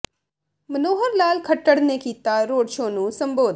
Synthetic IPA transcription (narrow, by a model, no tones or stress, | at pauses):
mənoːɦəɾlaːlkʰəʈːəɽnekiːt̪aɾoːɖʃõːnũːsɐ̃mboːd̪